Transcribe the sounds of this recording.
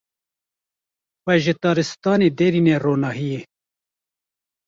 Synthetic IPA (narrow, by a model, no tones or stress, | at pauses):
xɛʒɪt̪ɑːɾɨst̪ɑːneːd̪eɾineːroːnɑːɦije